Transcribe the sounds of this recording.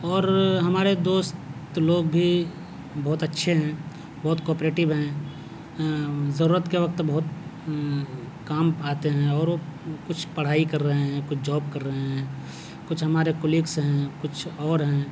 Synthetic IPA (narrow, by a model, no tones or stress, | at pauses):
ɔːɾɦɐmaːɾed̪oːst̪loːɡbʱi | bɔːt̪ɐtːʃʰeɦɛ̃ | bɔːt̪kɔːpɾeːʈɪbɦɛ̃ | zəɾuːɾət̪keʋɐk̚t̪bɔɦʊt̪ | kaːmaːt̪eɦɛ̃ɔːɾʋokʊt͡ʃʰpɐɽ̤aːikɐɾːəɦeɦɛ̃kʊt͡ʃʰd͡ʒɔːbkɐɾːəɦeɦɛ̃ː | kʊt͡ʃʰɦɐmaːɾekʊlɪksɦɛ̃kʊt͡ʃʰɔːɾɦɛ̃ː